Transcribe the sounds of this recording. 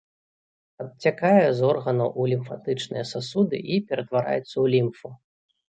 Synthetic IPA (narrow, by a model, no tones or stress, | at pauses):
ɐt̚t͡sʲakajɛzɔrɣɐnɐwʔulʲimfat̪ɨt͡ʂnɨ̰jɛsasud̪ɨ̰ʔipʲɛɾɐt̪vaɾa̰jɛt̪sːɐwlʲimfu